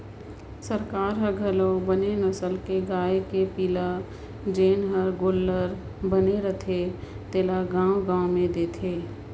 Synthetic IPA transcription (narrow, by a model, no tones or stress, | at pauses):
səɾkaːɾɦəɡʱəlõbənenəsəlkeɡaːekepiːla | d͡ʒeːnɦəɾɡoːlːəɾ | bəneɾət̪ʰe | t̪eːlaɡãːwɡãːomẽd̪eːt̪ʰeː